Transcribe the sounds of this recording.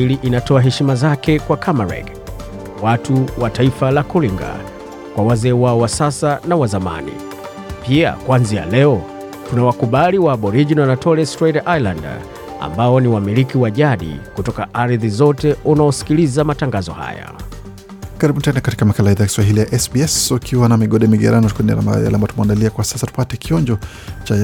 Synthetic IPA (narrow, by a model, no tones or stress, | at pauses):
iliʔinatɔaɦɛʃimazakɛkwakʰamaɾɛ̰ɡ | watuwataifalakɔliŋɡa̰ | kwawazɛːwaɔwasasanawazama̰nḭ | pia̰kwanzia̰lɛɔ | tunawakuɓaliwaɓɔɾiʄinanatʰɔlɛstɾaidaʔajla̰nd | a̰mbaɔniwamilikiwaʄaɗḭkutɔkaʔaɾðizɔtɛunaɔsi̥kilizamataŋɡazɔ̰ha̰ja̰ | kaɾibɓuntɛnakati̥kamakalaiðajaki̥swaɦilijaʔɛsbiɛsukʰiwanamiɠɔɗɛmiɠɛ̰ɾanɔtknia̰ɾa̰mba̰ja̰lambatumandaliakwasasatu̥patɛkiɔnd͡ʒɔ | t͡ʃa